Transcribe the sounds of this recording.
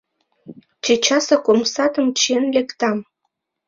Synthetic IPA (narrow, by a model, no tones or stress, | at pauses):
t͡ɕet͡ɕɑsɑkomsɑt̪əmt͡ɕenlekt̪ɑm